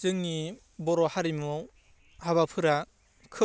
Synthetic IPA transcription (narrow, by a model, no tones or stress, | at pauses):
zɯŋni | bɔɾɔhaɾimu | haβapʰɯɾa | kʰɯ